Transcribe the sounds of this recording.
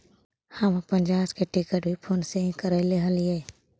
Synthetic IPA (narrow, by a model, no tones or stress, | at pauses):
həmãpə̃nd͡ʒaːskeʈɪkəʈ̚bʱipʰoːnsẽkəɾaileːɦəliɦɛː